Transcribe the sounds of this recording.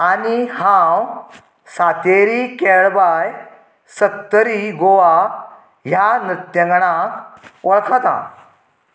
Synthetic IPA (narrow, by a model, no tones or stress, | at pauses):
anihãw | sat̪eɾikɛɭbaj | səkt̪əɾiɡoʋa | ɦjanɾit̪jə̃ŋɡɽãkʋəɭkʰat̪a̰